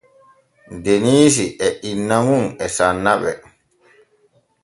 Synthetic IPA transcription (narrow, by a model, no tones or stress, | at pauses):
deniːs̬iʔɛʔinːamunɛsanːaɓɛ̰